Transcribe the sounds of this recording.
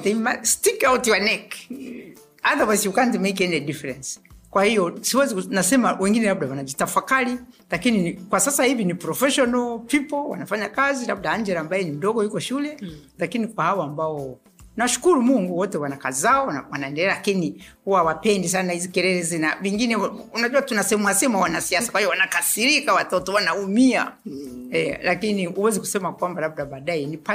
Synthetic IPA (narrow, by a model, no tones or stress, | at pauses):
ðɛmastikawtanɛk | aðawajzjukanzimejk̬ɛniɛdifɛɾɛnskwahijɔsiwɛzinasɛmawɛŋɡinɛlab̚dawanad͡ʒitafakaɾi | lakininkwasasahivinipɾɔfɛʃɔnɔlpipɔlwa̰nafaɲakazilab̚daaɲd͡ʒɛɾambajɛnim̩dɔɡɔjukɔʃulɛ | lakinikwahawɔambaɔ | naʃu̥kuɾumuŋɡuwɔtɛwanakazizaɔwanaɛndɛlɛalakinihuwawapɛndis̬anahizikɛɾɛɾɛzinaviŋɡinɛunaʄuatunasɛɛmuasɛmawanasiasakwahijɔwanakasiɾikawatɔtɔwanaumia̰ | ɛlakiniuwɛziku̥sɛmakwambalab̚daɓaɗajɛnipa